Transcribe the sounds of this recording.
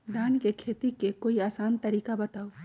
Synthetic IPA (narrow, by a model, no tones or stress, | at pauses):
d̪ʱaːnkekʰet̪ikekoiaːsant̪əɾiːkabət̪aːu